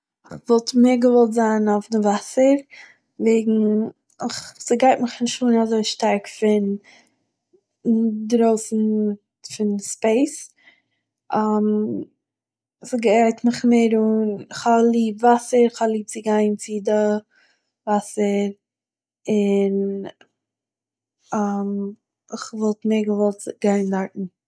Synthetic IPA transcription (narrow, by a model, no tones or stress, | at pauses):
ɪχvɔlˠtmeːɾɡəvɔlˠtzaːnaʊfdɪvasəɾ | veɪɡŋ̩ | ɪχsɪɡaɪtmɪχɪnʃuːnazoɪʃtaɾkfɪn | dɾoʊsn̩ | fɪnspeɪs | ʔam | sɪɡaɪtmɪχmeɪɾunɪχalˠiːbvasəɾɪχalˠiːp̚t͡sɪɡaɪnt͡sɪdə | vasəɾ | ɪn | am | ɪχvɔlˠtmeɪɡəvɔlˠtɡ̥aɪndaɾtn̩